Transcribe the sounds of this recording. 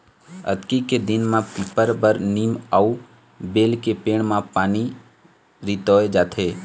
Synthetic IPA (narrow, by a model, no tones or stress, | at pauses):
ə̰t̪kiked̪ɪnmãpiːpəɾbəɾniːmau | beːlkepeːɽmãpaːni | ɾit̪ɔːed͡ʒaːt̪ʰeː